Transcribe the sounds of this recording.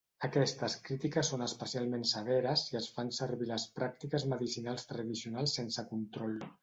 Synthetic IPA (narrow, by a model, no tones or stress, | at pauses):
əkɛst̪əskɾit̪ikəsːonəspəsialˠmensəβ̞ɛɾəziəsfansəɾβiləspɾak̚t̪ikəzməðisinalˠst̪ɾəðisiunalˠsːensəkunt̪ɾɔlˠ